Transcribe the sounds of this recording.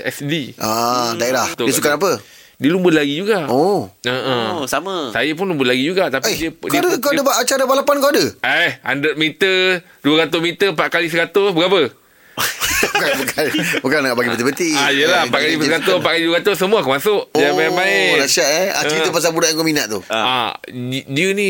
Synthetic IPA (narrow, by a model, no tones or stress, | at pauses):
ɛsdiadaeɾaht̪diəsukanap̬ə | diəlumbəlaɡid͡ʒuɡaʔoəʔəmsaməsajap̬ʊnlumbəlaɡid͡ʒuɡaʔt̪apeidiəkidəkoadəbaʔat͡ʃaɾəbalapankoadəaha̰ndət̪̚mit̪ə | duəɾat̪ʊsmit̪əpaʔkalis̬əɾat̪ʊsbəɡapə | bukanbukanbukanɡaʔbaɡibət̪ɪbət̪iajjəlapaʔkalipəsəɾat̪ʊpaʔkaliduəɾat̪ʊsəmuakəmasʊʔd͡ʒamaɪmaɪnaʃaʔa̰iəpas̬abudaʔŋkominaʔt̪ua̰ | diənĩ